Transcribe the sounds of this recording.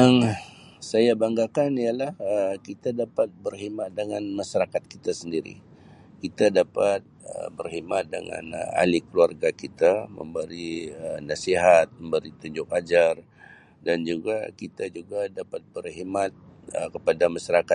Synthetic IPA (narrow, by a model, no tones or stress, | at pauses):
jaŋ | sajabaŋɡakanialahəkit̪adapat̪̚bərɦimat̪̚dəŋanmasaɾakat̪̚kit̪asəndiɾḭ | kit̪adapat̪̚ə̰bərɦimat̪̚də̰ŋa̰na̰likəluarɡakit̪amə̰mbəɾiənasiɦat̪̚məmbəɾit̪uɲd͡ʒʊkad͡ʒar | dand͡ʒuɡa̰kit̪ad͡ʒuɡadapat̪̚bərɦimat̪̚ | əkəpadamaʃaɾaka